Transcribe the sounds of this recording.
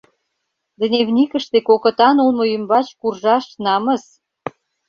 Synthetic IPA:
d̪nʲevnʲikə̆ʃt̪ekokə̆t̪ɑnulmojymbɑt͡ɕkurʒɑʃnɑmə̆s

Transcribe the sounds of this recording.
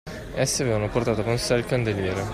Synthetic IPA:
ɛsːiavevanoport̪aːt̪okonsɛlkand̪eljɛːɾe

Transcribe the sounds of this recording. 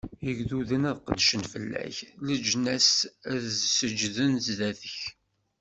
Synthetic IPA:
əʝðuðənæðqəd̪ʃənfəlːæ̰çləd͡ʒnæsæðzsəd͡ʒðənzðæθəç

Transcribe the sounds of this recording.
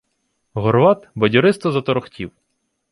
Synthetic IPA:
ɣɔɾʋɑt̪bɔdʲɔɾɪst̪ɔzɐt̪ɔɾɔxtʲiw

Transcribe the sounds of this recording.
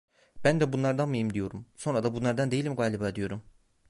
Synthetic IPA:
b̥ænd̪ɛbunlˠaɾd̪anmɯjimd̪ijo̞ɾumso̞nɾad̪abunlˠaɾd̪and̪e̞jilʲimɡaːlʲibaːd̪ijo̞ɾum

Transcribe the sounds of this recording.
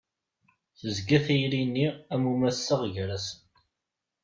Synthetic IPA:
θəzɡæθijlinːiæmumæsːəʁʝɾæsən

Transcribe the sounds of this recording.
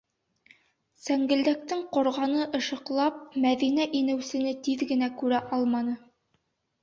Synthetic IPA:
sæŋɡɘ̆ld̪æk̚t̪ɘŋqŏɾʁɑnɤʔɤ̆ʃɤ̆qlˠɑp̚mæðinæʔinɘ̆wsɘ̆nɘt̪iðɡɘ̆nækʉɾæʔɑlˠmɑnɤ

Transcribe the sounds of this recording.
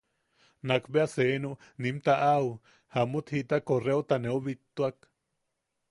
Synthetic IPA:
nakbeasenuʔnimt̪aʔau | hamut̪hit̪akoreot̪aneuβit̪uak

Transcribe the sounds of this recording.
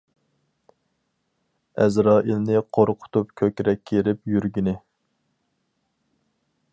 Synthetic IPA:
ɛ̰zɾɑːʔilnɪqʰoɾqʰʊ̥t̪upkʲʰøkʲɾɛkʲʰːeɾɪpjyɾɡʲinɪ

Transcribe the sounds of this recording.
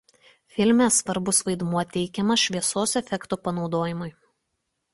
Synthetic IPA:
fʲɪlʲmʲesʋɐɾbʊsʋɐɪd̪muɔt̪ʲɛɪkʲɛmɐʃʲʋʲiɛsoːsɛfʲɛkt̪oːpɐnɒʊd̪oːjɪmʊɪ

